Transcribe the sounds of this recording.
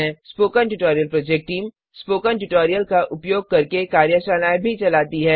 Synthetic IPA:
ẽspoːkənʈʊʈɔːɾijəlpɾoːd͡ʒek̚ʈːiːm | spoːkənʈʊʈoːɾijəlkaʔʊpjoːɡ̚kɐɾkekaːɾjəʃaːnaːjbʱit͡ʃɐlaːt̪iɦɛː

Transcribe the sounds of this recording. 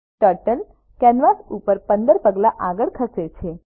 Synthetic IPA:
ʈəɾʈən | kɛnʋasupəɾpənd̪əɾpəɡlaʔaɡəɭkʰəket͡ʃʰe

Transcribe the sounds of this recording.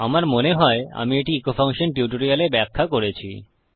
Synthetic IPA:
amaɾmoneɦɔea̰mieʈiikofʰaŋʃonʈjuʈoɾialebɛkʰːakoɾet͡ɕʰḭ

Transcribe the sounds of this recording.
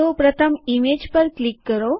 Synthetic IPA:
opɾət̪ʰəmimed͡ʑpəɾklikːəɾo

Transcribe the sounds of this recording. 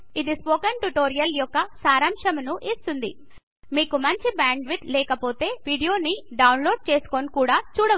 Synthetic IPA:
id̪ispoːkɐnʈuʈoːɾijɐljɔkːɐsaːɾɐmʂɐmunuʔist̪und̪ḭ | miːkumɐɲt͡ʃibaːɳɖʋid̪lɛːkɐpo̞ːt̪e̞ːʋiːɖijo̞ːniɖɐwnlo̞ːɖ̚t͡ʃeːsu̥konikuːɽaːt͡ʃuːɽɐ

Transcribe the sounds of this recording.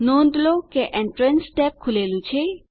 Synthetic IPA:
nondlokeʔẽɳʈɾənsːʈɛp̚kʰulelũt͡ʃʰe

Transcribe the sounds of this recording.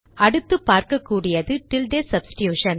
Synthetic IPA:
ɐɽɯt̪ːɯpːaːɾkɐkːuːɽɪjɐðɯʈɪlɖeːsɐbsɪ̥ʈjuːʂɐn

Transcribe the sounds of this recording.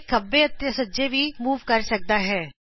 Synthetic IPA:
kəbeət̪jəsəːd͡ʒebiːmuːʋkəɾsək̚d̪aːɦɛː

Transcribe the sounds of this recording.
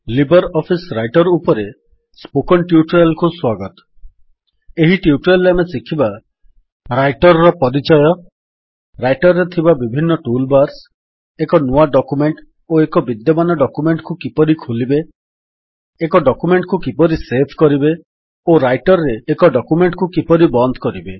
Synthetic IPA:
libɔɾɔpʰisɾajʈɔɾupɔɾe | spokɔnʈjuʈɔɾalkuswaɡɔt̪ɔ̥ | eɦiʈiuʈɾelːamesikʰiba | ɾajʈɔɾɾɔpɔɾit͡ʃɔjɔ | ɾajʈɔɾɔɾet̪ʰibabibʱinːɔʈulbaɾs | ekɔnuaɖɔkumeɳʈ | oekɔbid̪jɔmanɔɖɔkumeɳʈkukipɔɾikʰulibe | kɔɖɔkumeɳʈkukipɔɾisepʰkɔɾibe | oɾajʈɔɾɾeːkɔɖɔkumeɳʈkukipɔɾibɔnd̪ʱkɔɾibe

